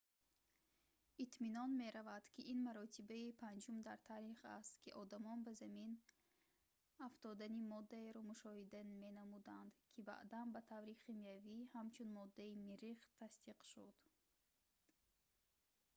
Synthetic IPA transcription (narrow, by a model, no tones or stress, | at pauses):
it̪minɔnme̞ɾavad̪̥kʰiʔinmaɾɔt̪ʰibaipʰand͡ʒumd̪aɾt̪ʰaɾiχa̰st̪kʰiʔɔd̪amɔnbazamin | aft̪ɔd̪animɔd̪ːaeɾɔmuʃɔhid̪ame̞namud̪and̪kʰiba̰ʔd̪anbat̪ʰavɾiχimijavihamt͡ʃʰunmɔd̪ːaimiɾiχt̪ʰast̪iqʃud̪̥